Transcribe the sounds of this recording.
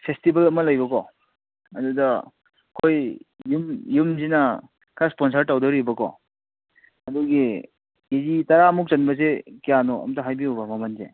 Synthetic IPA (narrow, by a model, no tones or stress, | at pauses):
pʰestibɐlɐmɐlɐjbɐkɔ | ɐdudɐ | kʰojjumjumzinɐ | kʰaspɔns̬ɐɾtawdoɾibɐkɔ̰ | ɐduɡi | ezitɐɾamuk̚t͡ʃɐnbɐs̬ekijanɔɐ̰mtaɦajbiubamamanzḛ